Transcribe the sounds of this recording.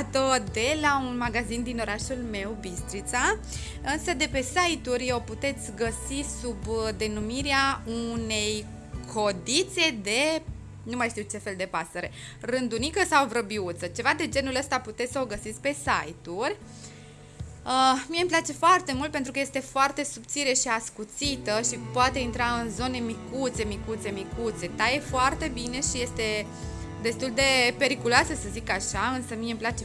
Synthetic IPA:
t̪od̪e̞launmaɡazind̪ino̞ɾaʃulme̞wbist̪ɾit̪sa | ɨnsəd̪e̞pe̞sajt̪urʲoput̪e̞t̪sʲɡəsisubd̪e̞numiɾeaune̞j | kʰod̪it̪se̞d̪e̞ | numajʃt̪iwt͡ʃe̞fe̞ld̪e̞pasəɾe̞̰ | rɨnd̪unikəsawvɾəbiut̪sət͡ʃe̞vad̪e̞d͡ʒe̞nuləst̪aput̪e̞t̪ʲsəoɡəsit̪sʲpe̞sa̰jt̪urʲ | əmijemplat͡ʃe̞foart̪e̞mult̪̚pet̪ɾukəje̞st̪e̞foart̪e̞sup̚t̪siɾeʃiaskut̪sit̪əʃipoat̪e̞int̪ɾaɨnzo̞ne̞mikut̪se̞mikut̪se̞mikut̪se̞t̪ajefoart̪e̞bineʃije̞st̪e̞ | d̪e̞st̪uld̪e̞pe̞ɾikuloasəsəzikaʃaɨnsəmijemplat͡ʃe

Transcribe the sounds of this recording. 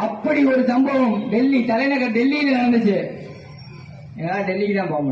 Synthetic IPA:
ɐpːɐɽiɔɾɯsɐmbɐʋɐmɖɛlːit̪ɐlɐɪnɐkːɐɖɛlːinɐnɐɽɐnd̪ɯt͡ʃːɯ | ɛnɐlːaːɖɛlːikːt̪ãːpoːŋɡɐ

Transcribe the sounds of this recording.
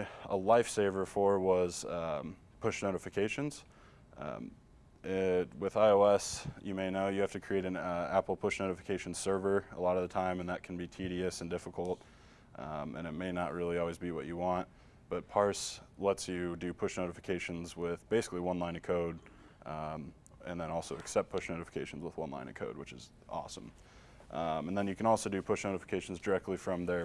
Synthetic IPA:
əlaɪfseɪvə˞fə˞wʌz̥ | pʰʊʃnoʊɾɨfɨkʰeɪʃɨ̃nz̥̰ | ʔɪwɪðaɪoʊɛsjɨmeɪnoʊjɨhæftɨkʰɹ̥ieɪɾɨ̃næpl̩ˠpʰʊʃnoʊɾɨfɨ̥kʰeɪʃn̩̥sɜ˞və˞əlɔɾʌvðɨtʰãɪ̃mɨ̃nðət̚kʰn̩bitʰiɾiɨsɨ̃n̩dɪfəkl̩ˠt̚ | ʔɨ̰̃ñɨt̚meɪnəʔ̚ɹɪlˠiɔlˠwizbiwʌ̰t͡ʃɨwɑ̃nt̚ | b̥ʌt̚pʰɑɹslɛtsjɨdɨpʰʊʃnoʊɾɨfɨ̥kʰeɪʃɨ̃nzwɪðbeɪsɨ̥kliwʌ̃nlãɪ̃nɨkʰoʊd | ɨ̃nðə̃ñɔlˠsoʊɨksɛp̚pʰʊʃnoʊɾfə̥kʰeɪʃn̩zwəðwʌ̰̃nlã̰ɪ̃nɨ̰kʰoʊd̚wɨt͡ʃɨ̰z | ʔɔ̰sə̰̃m | ɨnðə̃njɨkʰɨ̃nɔlˠsoʊdɨpʰʊʃnoʊɾɨfə̥kʰeɪʃn̩zdə˞ɛk̚tʰˡlifɹʌ̃mðə˞

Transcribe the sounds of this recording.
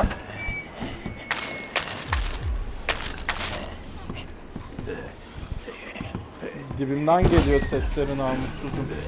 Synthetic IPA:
ɟ̪ibimd̪ænɟe̞lʲijoɾsɛslʲeɾinaːmusuzum

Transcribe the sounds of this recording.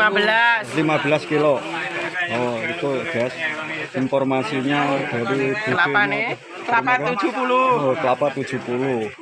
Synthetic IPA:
abəlaslimab̥əlaskilo | ɔik̪uɡ̥asinfɔrmasiɲad̪̥a̤ɾid̪̥i̤laane | laaud͡ʒ̥upulukəlapat̪ud̥d͡ʒ̥ṳpulu

